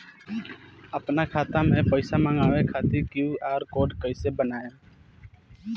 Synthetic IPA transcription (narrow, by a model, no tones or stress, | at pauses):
əpnakʰaːt̪amẽːpəɪsamə̃ŋaːʋekʰaːt̪ɪɾkjuːaːɾkoːɖkəɪseːbənaːjaː